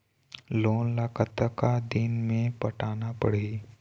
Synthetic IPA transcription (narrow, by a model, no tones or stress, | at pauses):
loːnlakət̪əkad̪ɪnmẽpɐʈaːnapɐɽe